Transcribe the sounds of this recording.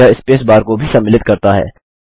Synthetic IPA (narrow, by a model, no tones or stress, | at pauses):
aɪspeːsbaːɾkobʱisɐmɪlɪt̪kɐɾt̪aɦɛ̰ː